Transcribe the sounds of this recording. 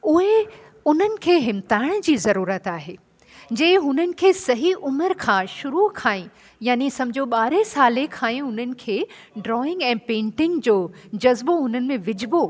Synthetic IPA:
ʊɦe | ʊn̤ənɪ̆kʰeːɦɪmt̪aːɪɽ̃d͡ʑiːzɐɾuːɾət̪aːɦeː | d͡ʑɐːɪɦʊn̤ənɪ̆kʰeːsɐɦiʔʊməɾkʰãːʃʊɾukʰaːĩ | jaːnisɐ̃md͡ʑʱoɓaːɾesaːlekʰaːĩʊn̤ənɪ̆kʰeː | ɖɾɔːɪ̃ŋɡɛ̃ːpẽːɳʈɪ̃ŋɡd͡ʑoːd͡ʑɐzboʊn̤ənɪ̆mẽʋɪd͡ʑʱɪbo

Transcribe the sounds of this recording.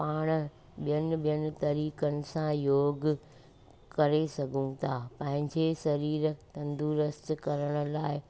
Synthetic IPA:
paːɽ̃ | ɓijənɪ̆ɓijənɪ̆t̪ɐɾiːkənɪ̆sãjoːɡ | kɐɾesɐɡʱũt̪ʰaːpɐ̃ɦɪ̃ɲd͡ʑesɐɾiːɾt̪ɐ̃nd̪uːɾəst̪kɐɾəɽ̃ʊ̆laːɪ

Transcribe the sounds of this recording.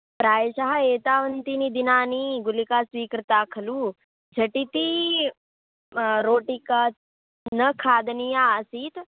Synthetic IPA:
pɾaːjʃaɦaeːt̪aːʋənt̪inid̪inaːniːɡulikaːsʋiːkɾɐt̪aːkʰɐluː | d͡ʒʱɐʈit̪i | ɾoːʈika | nəkʰaːd̪nijaːəsiːt̪

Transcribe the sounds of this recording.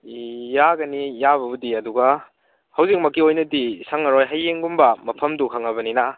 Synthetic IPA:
ijaɡɐnijaβɐbudiɐduɡɐ | hɐwzik̚mɐkːiojnɐdisaŋɐɾojɦajːeŋɡumbɐmɐpʰɐmdukʰɐŋɐβɐnina

